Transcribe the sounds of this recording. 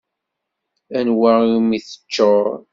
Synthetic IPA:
ænwamiθə̥t͡ʃːoɾˤ

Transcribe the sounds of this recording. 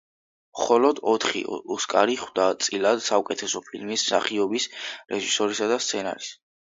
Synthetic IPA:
mχɔlɔd̪ɔt̪ʰχḭɔskʼaɾiχwd̪at̪sʼilˠad̪̥saukʼɛt̪ʰɛsɔpʰilmisːa̰χiɔbisɾɛʒisɔɾisad̪ast̪sʰɛna̰ɾis

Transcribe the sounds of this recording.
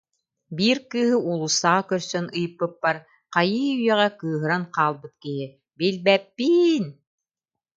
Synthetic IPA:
biːɾkɯːɦɯulˠusaːkœɾsœnɯjɯpːɯpːaɾ | qajɯːyjœʁɛkɯːɦɯɾanqaːlˠbɯt̪̚kiɦi | bilbɛpːiːn

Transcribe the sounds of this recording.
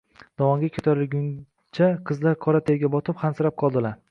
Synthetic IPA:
d̪̥ɒwɒŋɡʲakʲʰot̪ʰaɾɪɡʲʊn | t͡ʃʰaqʰɨzlaɾkʰɒɾat̪ʰeɾɡʲabɒt̪ʰɪpχhansɨɾap̚qʰɒlˠd̪ɪlaɾ

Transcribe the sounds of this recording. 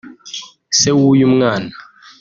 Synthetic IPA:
sewujum̩ŋaːna

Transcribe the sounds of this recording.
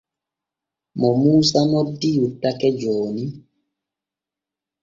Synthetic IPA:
mɔmuːsanɔdijutakɛd͡ʒɔːni

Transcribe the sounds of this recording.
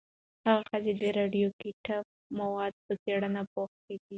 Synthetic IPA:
haɣaxəzed̪əɾɑɖjokiʈab̚ | mawɑd̪̚pət͡seɽanapoxked̪i

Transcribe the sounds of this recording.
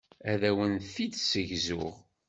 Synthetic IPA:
æðæwənθid̪səʝzʊʁ

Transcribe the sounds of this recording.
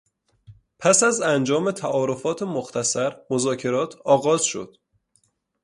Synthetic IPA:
pʰæsæzænd͡ʒɒːme̞t̪ʰæʔɒːɾo̞fɒːt̪ʰemoxt̪ʰæsæɾmozɒːcʰe̞ɾɒːt̪ʰɒːɣɒːz̥ʃo̞̰d̪̥

